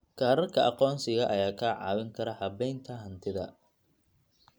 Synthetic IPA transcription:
kʰaːɾɐrkʰɐʔɑqɔːnsɪɣɐʔɐjaːkʰaːʕɑ̰ːwɪŋkʰɐɾɐħɑbɛjnt̪ʰɐɦɐnt̪ʰɪðɐ̰

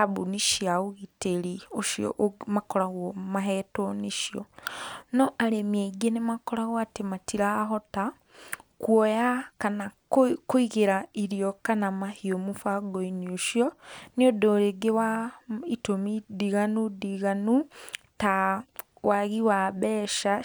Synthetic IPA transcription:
aβuniʃiaoɣiteɾioʃjɔ̰ʔmakɔɾaɣɔmaɦɛtoniʃiɔnɔʔaɾemiaiɡenemakɔɾaɣɔatematiɾaɦɔta | kwɔjakana | koiɣeɾaiɾiɔkanamahiomufaɡoinioʃjɔneodoːɾeɡewaitomidiɣanudiɣanu | ta | waɣiwaβɛːʃa

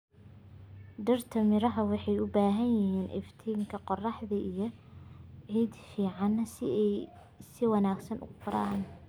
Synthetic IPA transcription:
ɖɐrt̪ʰɐmɪɾɐɦɐwɑħɑjʊbaːɦɐnjɪɦiːnʔɪ̰ft̪ʰiːŋkʰɐqɔrɑħðɐʔijɞ | ʕiːd̪fiːʕɑnːɐ | sɪwɑnaːɡsɐnʊ̰qʊɾaːn

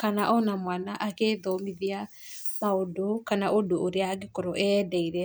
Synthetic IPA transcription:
kanaʔɔnamwanaʔakeðomiðia | maodokanaʔodooɾeaɡekoɾoʔɛdɛiɾɛ

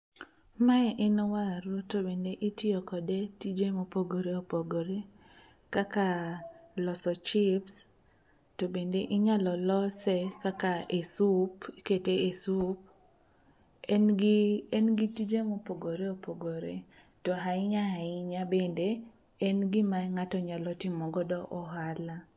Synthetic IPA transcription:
maɛʔɛnwaɾutobendeʔitjɔkɔdetid͡ʒemopoɡoɾeopoɡoɾe | kakalɔsɔt͡ʃɪps | tobendeʔɪɲalɔlɔsekakaesupiketeesup̚ | ɛnɡɪɛnɡitid͡ʒemopoɡoɾeopoɡoɾḛ | tɔɦaɪɲahaɪɲabende | ɛnɡɪmaŋatɔɲalɔtɪmɔɡɔdɔʔɔɦala

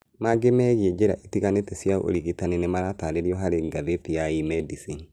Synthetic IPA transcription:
maɡemɛɣiɛd͡ʒeɾa̰ʔetiɣanetɛsjao̰ɾiɣitanenemaɾataɾeɾiɔɦaɾeŋɡaðepijaimɛdisin

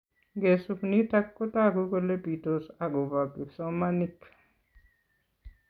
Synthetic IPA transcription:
ɡesupnitakːot̪aɡukolepit̪osaɡobabisomanik

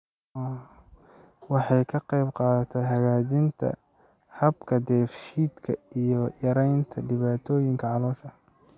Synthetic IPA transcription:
wɑħɑjkʰɐqɑjbqɑːðɐt̪ʰɛjɦɐɣaːt͡ʃɪnt̪ʰɐ̰ | hɐbkʰɐd̪ɛːfʃiːd̪kʰɐijɔjɐɾɛjnt̪ʰɐɖɪβaːt̪ʰɔːjɪŋkʰɐʕɑlɔːʃɐ

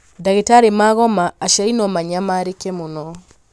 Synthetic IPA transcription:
daɣetaɾemaɣɔmaːʃainɔmaɲamaɾekɛmonɔ

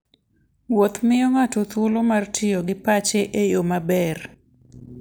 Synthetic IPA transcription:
wot̪mɪjoŋatot̪olomartʰɪjoɡɪpat͡ʃeʔejomabɛr

